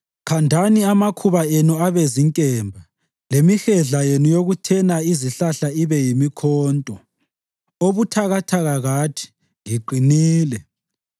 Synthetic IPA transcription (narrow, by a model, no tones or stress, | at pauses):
kʰandʱaniamakʰuβaenuaβeziŋkʼɛːmbʱa | lemixɛɮajenujoɣutʰɛnaiziɬaɬaiβɛjimikʰɔːntʼɔ | oβutʰaɣatʰaɣaɣatʰi̥ | ŋiǃʱiniːlɛ